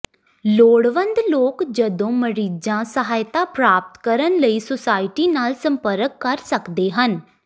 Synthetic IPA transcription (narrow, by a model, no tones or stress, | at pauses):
loːɽʋə̃nd̪loːkd͡ʒəd̪õːməɾiːd͡ʒãːsəɦaːɪt̪aːpɾaːp̚t̪kəɾənləiːsosaːɪʈiːnaːlsəmpəɾəkːəɾsəkd̪eːɦən